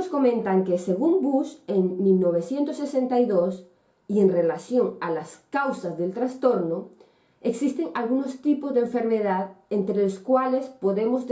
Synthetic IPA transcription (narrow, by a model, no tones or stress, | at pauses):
sko̞mẽnt̪aŋkeseɣ̞umbuseŋmilnoβ̞eθjent̪osːesẽnt̪aiðos | ienrelaθjoŋalaskawsazðelt̪ɾast̪oɾno | eksist̪eŋalɣunost̪ipozðeɱfe̞ɾmeðaðent̪ɾeloskwalespoðemoz